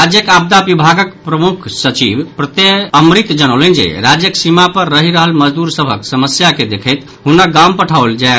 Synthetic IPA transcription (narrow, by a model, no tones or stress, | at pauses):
ɾad͡ʒjəkab̚d̪abibʱaɡəkpɾəmukʰsət͡ʃibpɾət̪eəmɾit̪d͡ʒəñəwlənd͡ʒḛɾad͡ʒjəksimapəɾːəɦiɾəɦəlməd͡ʒd̪uɾsəbʱəksəməsjaked̪ekʰət̪ | ɦunːaɡampəʈʰaʊld͡ʒae